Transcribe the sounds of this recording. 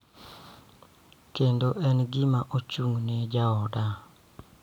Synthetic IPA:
kendoʔɛnɡɪmaʔot͡ʃuŋned͡ʒaɔda

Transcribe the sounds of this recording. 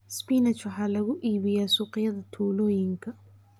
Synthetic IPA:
spiːnɛt͡ʃɐħaːlɐɣʊʔiːβɪjaːsuːqɪjɐðɐt̪ʰuːlɔːjɪŋkʰɐ

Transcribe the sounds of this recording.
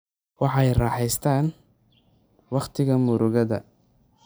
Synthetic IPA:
wɑħɑɛjrɑːħɛjst̪ʰaːn | wɑqt̪ʰɪɣɐmʊɾʊɣɐðɐ̰

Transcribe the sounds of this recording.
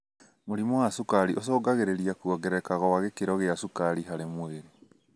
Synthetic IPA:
moɾimɔwasukaɾiʔos̬ɔːɡaɣeɾeɾiakuɔɡɛɾɛkaɣɔwaɣekeɾɔɣeasukaɾiɦaɾemweɾe

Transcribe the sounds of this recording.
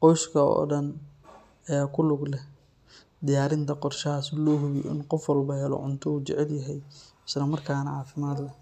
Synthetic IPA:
qɔjskʰɐɔ̰ːɖɐn | ɛːkʰʊlʊɡlɛ | d̪ɪjaːɾɪnt̪ʰɐqɔrʃɐɦaːsɪlɔːɦʊβj̰ʔɪ̰nqɔfwɑlbɐɦɛlɔ̰ʕʊnt̪ʰɔuːt͡ʃɛʕɛljɐɦɛj | ɪslɐmɐrkʰaːnɐʕaːfɪmaːd̪lɛ

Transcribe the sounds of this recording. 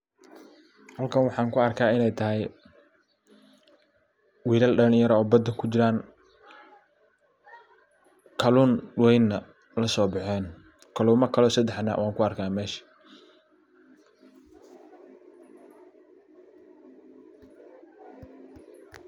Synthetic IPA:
hɐlkʰɐnwɑħɑːŋkʰʊɐrkʰaːɪnɛjt̪ʰɐɦɛj | wiːlɐlɖɐnjɐɾɐɔːbɐd̪ɐkʰʊt͡ʃɪɾaːn | kʰɐluːnwɛjnːɐ | lɐsɔːbɑħɛːn | kʰɐluːmɐkʰɐlɔːsɐd̪ɛħna̰ːwaːŋkʰʊɐrkʰaːmɛːʃɐ̥

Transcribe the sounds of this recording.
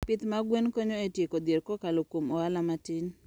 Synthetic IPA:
pɪt̪maɡwenkoɲoetjekod̪jeɾkɔkalokwomɔalamatɪn

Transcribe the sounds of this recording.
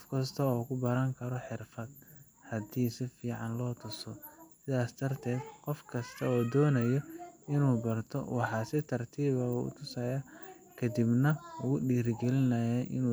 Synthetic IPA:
fkʰɐst̪ʰɐɔːkʰʊbɐɾɐŋkʰɐɾɔħɪrfɐd̪̚ | hɐd̪iːsɪfiːʕɑnlɔːt̪ʰʊsɔsɪðaːsd̪ɐrt̪ʰɛːd̪qɔfkʰɐst̪ʰɐɔːd̪ɔːnɐjɔɪnuːbɐrt̪ʰɔ̰wɑħɑːsɪt̪ʰɐrt̪ʰiːβɐṵːʊ̰t̪ʰʊsɐːja | kʰɐd̪ibnɐʊɣʊɖiːrɡɛlɪnɐjɛʔɪ̰nuː

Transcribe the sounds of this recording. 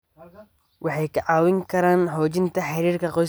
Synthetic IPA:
wʔɑħɑjkʰɐʕɑːwɪŋkʰɐɾaːnħɔːt͡ʃɪnt̪ʰɐħɑɾiːrkʰɐqɔ

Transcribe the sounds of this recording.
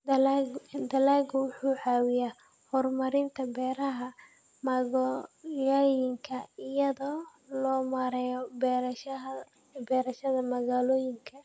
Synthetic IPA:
d̪ɐlaːɡwʊħuːʕɑːwɪjaː | hɔrmɐɾɪnt̪ʰɐbɛːɾɐɦɐ | mɐɣjɔjɪŋkʰɐɪjɐðɔː | lɔːmɐɾɛjɔbɛɾʃ | bɛːɾɐʃɐðɐmɐɣaːlɔːjɪŋkʰɐ

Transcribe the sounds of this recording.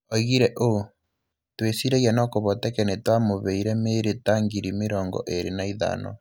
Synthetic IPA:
ɔiɣiɾɛʔo | twesiɾɛɣjanɔkoβɔtɛkɛnetwamoβeiɾɛmeɾetaŋɡiɾimeɾɔːŋɡɔ̰ʔeɾenaiða̰nɔ̰

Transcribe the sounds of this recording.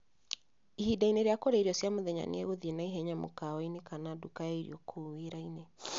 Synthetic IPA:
ihidaineɾeakoɾaiɾjɔsjamoðɛɲa̰n̰eɣoðienaiɦɛɲamo̰kawainekanadukaeiɾḭɔkʰoweɾaine

